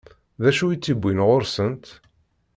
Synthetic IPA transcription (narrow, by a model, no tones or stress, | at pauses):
ðæʃuit͡sːibʷːinʁoɾsənt̪